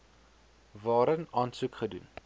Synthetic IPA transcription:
vɑːɾənɑːnsukχədṵn

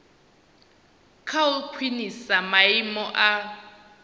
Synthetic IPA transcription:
kʰaulkʰwinisamaimɔʔa

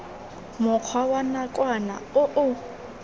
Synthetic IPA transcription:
mʊq͡χʰwawanakʼwana̰ʊʔʊ

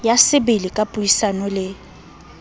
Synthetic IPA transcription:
jasɪbɪlɪkʼapʼʊisanɔlɪ

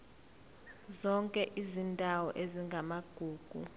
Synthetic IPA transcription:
zɔŋkʼɛʔizindʼʱawɔ̰ʔeziŋɡʱamaɡ̥ʱuːɡ̥ʱṵ

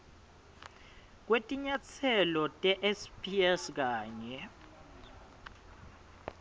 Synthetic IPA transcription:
k̬wetʼiɲat͡sʰɛlɔtʼɛʔɛspʰʼiɛsk̬aːɲɛ

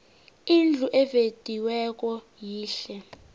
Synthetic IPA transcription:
ind͡ɮʱuʔɛved̥ʱiwɛk̬ʼɔ | jiːɬɛ

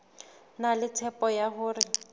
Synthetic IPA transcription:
nalɪtʰɛpʼɔjaɦʊːrɪ

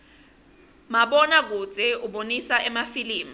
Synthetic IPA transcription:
maɓɔnak̬u̥d͡z̥ʱɛuɓonisaʔɛmafiliːmi

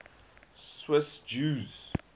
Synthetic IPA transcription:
swɪsd͡ʒuːz

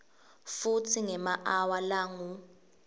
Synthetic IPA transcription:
futʰiŋɛmaʔawalaːŋu

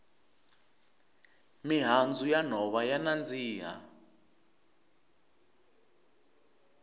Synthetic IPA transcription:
miɦand͡zujan̤ɔβajanand͡ziːɦa̰

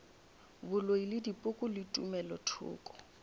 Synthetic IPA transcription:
bʊloilɪdipʼʊkʼʊlɪtʼṵmɛlɔtʰʊ̰ːkʼɔ̥

